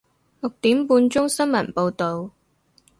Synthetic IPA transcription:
lʊ˨k̚t̪iː˨˥mpuː˧nt͡sʊ˥ŋsɐ˥nmɐ˨˩npo˧wt̪o˨w

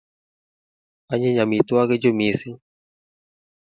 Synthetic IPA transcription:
a˦ɲe˦ɲa˨mi˨t̪wa˦ɣe˦d͡ʒo˦mi˨si˦

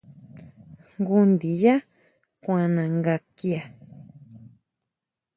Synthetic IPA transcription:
ŋɡu˧nd̪i˨ja˦ | kʷã˧nã˨ŋɡa˧ki˦a˨

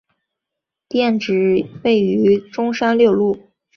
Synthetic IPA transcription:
t̪jɛ˥˩nʈ͡ʂɻ̩˨˩˦we˥˩ɪy˧˥ʈ͡ʂʊ˥ŋʂa˥nljɔ˥˧ʊlu˥˩

